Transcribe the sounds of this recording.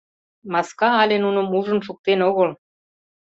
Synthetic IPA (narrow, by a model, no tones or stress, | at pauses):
mɑskɑɑlʲenunŏmuʒə̆nʃuk̚t̪enoɣə̆l